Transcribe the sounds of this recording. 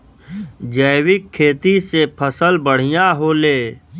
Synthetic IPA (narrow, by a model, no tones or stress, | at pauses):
d͡ʒəɪwɪkʰːeːt̪isepʰəsəlbəɽ̤ijaɦoːleː